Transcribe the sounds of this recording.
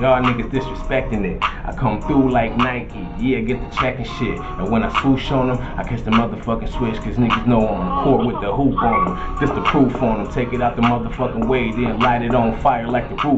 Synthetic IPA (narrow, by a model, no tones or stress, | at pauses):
oʊaɪθɪ̃ŋkɨtsd̥ɪsɹɨspɛk̚tɪ̃ŋɪt̚ʔa̰ɪkʰʌ̃mθɹulaɪk̚naɪt̚kʰijæaɡɛt̪̚ðɨt͡ʃʰækɨ̃ŋʃɪt | ɨ̃nwə̃naɪskuʃõnə̃m | aɪkʰɛt͡ʃðɨmʌðə˞fʌkɨ̃nswɪt͡ʃkʰʌznɪ̃kɨtsnoʊə̃nkʰɔɹt̚wɨðəɦupɔ̃nə̃md͡ʒɪstɨpʰɹ̥ufə̃nɨ̃mtʰeɪkɨɾaʊt̪̚ðəmʌðə˞fʌkɪ̃nweɪdɪ̃nlaɪɾɨɾn̩faɪə˞laɪk̚ðəpʰɹ̥u